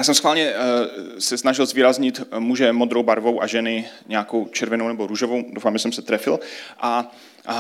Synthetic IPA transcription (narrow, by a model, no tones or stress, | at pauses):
jaːsɛmsxvaːlɲɛ | sɛsnaʒɪlzviːɾazɲɪt̪muːʒɛmo̞d̪ɾowbaɾvowʔaʒɛnɪɲɛakowt͡ʃɛɾvɛnownɛboɾuʒovowdowfaːmʒɛsɛmsɛt̪ɾɛfɪlʔa